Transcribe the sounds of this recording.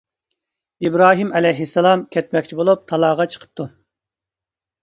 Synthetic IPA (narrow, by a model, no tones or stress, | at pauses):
ibɾɑːɦimɛlɛjɦisːɛlˠɑmkʲʰɛt̪̚mɛk̚ʲt͡ʃʰibolˠup̚t̪ʰɑlˠɑːʁɑt͡ʃʰə̥qʰə̥p̚t̪u